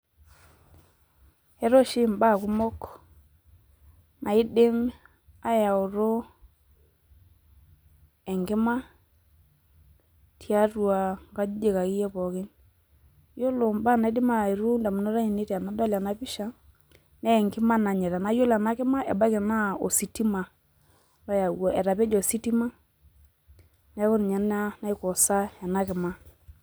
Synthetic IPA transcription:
ɛ˦ɾɔ˦ʃɪ˦mba˦˨kʊ˦mɔ˦k | na˨ɪ˦dɪ˦m | a˦ja˨o˨ɾo˦ | ɛ˨ŋɡɪ˦ma˦ | tja˦rwa˨ŋɡa˦d͡ʒe˨ka˨kɪ˦jɛ˦pɔ˨kɪ˦n | jo˦lo˨mba˦˨na˨i˦dɪ˦ma˦˨e˨ɾu˦nda˨mu˨nɔ˦ɾa˦ɲi˨ne˦ta˨na˨˦da˦la˨na˨˦pi˦ʃa˦ | nɛ˦˨ŋɡɪ˦ma˦na˨ɲɛ˨ɾa˨na˨˦jo˦la˨na˦kɪ˦ma˦ʔɛ̰˨ba˦kɪ˨na˦o̰˨si˨ti˦ma˨ | la˦ja˨wɔ˨ʔɛ˨ɾa˨pɛ˦d͡ʒɔ˨si˦ti˦ma˦ | nɛ˦ko˦n˨ɲa˨n˦a˦na˦i˦kɔ˨sa˦ɛ˨na˦kɪ˨ma˦

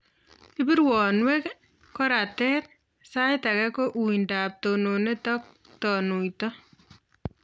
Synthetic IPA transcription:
ɪ˦bi˦ɾwɔ˨nwe˦k | kɔ˦ɾa˨tɛ˦t | sa˦jta˨kɛ˦ko˦ʔu˨inda˨p̚to˨no˨ne˦tɔ˦k̚ | tɔ˨nu˨jtɔ˦

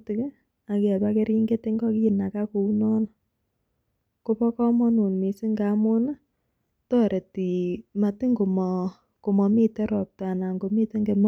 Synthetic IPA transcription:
tɪ˨k | a˨kɛ˨ba˦ke˦ɾi˦ŋɡe˦tɪ˦ŋɡɔ˦ki˦˨na˨ka˦ko˨u˦nɔ˦n˨ | ko˦pɔ˦kɔ˦mɔ˦nu˨nmi˨sɪ˦ŋɡa˨˦mʊ˦na˦ | tɔ˦ɾʔe˨ti˨ma˨tɪ˦ŋɡo˨mɔ˨ | ko˨mɔ˨mi˦tɛ˦ɾɔ˨p̚ta˨na˨ŋɡo˨mi˦te˦ŋɡe˨m

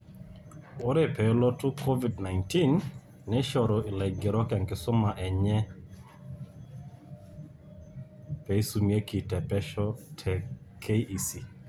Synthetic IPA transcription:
o˦ɾe˨pɛ˨˦lɔ˦tʊ˦kʰo˦vi˨dna˨ɪnti˦nː | ɛ˦ʃɔ˨ɾɔ˨ʔɪ˨lɛ˨ɡɛ˨ɾɔ˦kɛ˨ŋkɪ˦sʊ˦ma˨ʔɛ˨ɲɛ˦ | pɛ˨i˦su˨mi˨e˦ki˨tɛ˨pɛ˦ʃɔ˦tʰɛ˨kʰe˦i˦ʔi˨si˨

